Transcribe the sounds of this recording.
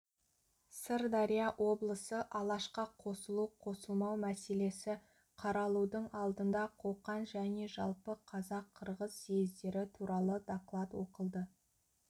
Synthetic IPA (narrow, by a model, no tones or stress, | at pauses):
səɾd̪ɑɾijɑʔwʔo̞blˠəsəʔɑlˠɑʃqɑqʰo̞səlˠuqʰo̞səlˠmɑwmæse̞le̞sɪ | qʰɑɾɑlˠud̪əɴɑlˠd̪ənd̪ɑqʰoqɑnʒæne̞ʒɑlˠpəqʰɑzɑqʰːəɾʁəzːejzd̪e̞ɾɪt̪ʰuɾɑlˠəd̪aklˠat̪wo̞qəlˠd̪ə